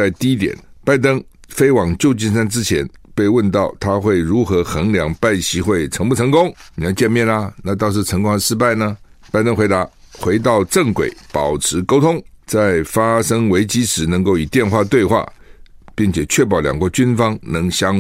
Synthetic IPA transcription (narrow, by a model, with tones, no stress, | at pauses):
a˥˧ɪt̪i˥˧i˥t̪jɛ̰˨˩˦npa˥˩ɪt̪ɤ˥ŋ | fe˥ɪwɑ˨˩ŋt͡ɕjo˥˧ʊt͡ɕi˥˧nʂ̬a˥˧nʈ͡ʂɻ̩˥t͡ɕʰjɛ̰˧˥npe˥˧ɪwə˥˧nt̪ɑ˥˩ʊt̪ʰa˥xwe˥˩ɪɻu˧˥xɤ˧˥xə˧˥ŋljɑ˧˥ŋpa˥˩ɪɕi˧˥xwe˥˩ɪʈ͡ʂʰɤ˧˥ŋpu˥˩ʈ͡ʂʰɤ˧˥ŋkʊ˥ŋni˨˩jɑ˥˧ʊt͡ɕjɛ˥˧nmjɛ˥˩nɐ˧na˥˧˩t̪̬ɑ˥˧ʊʂ̬̩˥˩ʈ͡ʂʰɤ˧˥ŋkʊ˥ŋa˥˧ʂɻ̩˥pa˥˩ɪnə˩ | pa˥ɪt̪ɤ˥ŋxwe˧˥ɪt̪a˧˥xwe˧˥ɪt̪̬ɑ˥˧ʊʈ͡ʂə˥˩ŋkwḛ˨˩˦ɪpɑ˨˩ʊʈ͡ʂʰɻ̩˧˥ko˥ʊt̪ʰʊ˥ŋt͡sa˥˩ɪfa˥ʂɤ˥ŋwe˧˥ɪt͡ɕi˥ʂɻ̩˨˩nə˧˥ŋko˥˩ʊi˨˩t̪jɛ˥˧nxwa˥˧t̪we˥˧ɪxwa̰˥˩pi˥˩ŋt͡ɕʰjɛ˨˩t͡ɕʰɥɛ˥˩p̬ɑ˨˥ʊljɑ̰˨˩ŋkwɔ˧˥t͡ɕy˥nfɑ˥ŋnɤ˧˥ŋɕjɑ˥ŋ